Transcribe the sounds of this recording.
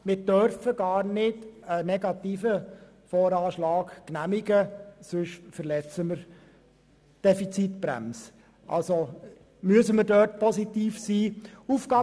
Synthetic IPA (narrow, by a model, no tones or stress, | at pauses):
mɪɾd̥œɾfəɡ̥ɑːɾnɪdənɛɡɑt̪iːfə | fɔːɾɑːʃlɑːkknæmiɡəsɵʃfəɾlɛt͡səməɾ | d̥ɛfit͡sitbɾæ̰ms | ʔɑ̰lso | myəsəməɾdœːtpʰɔzit̪iːfsiːuːfɡ̥ɑː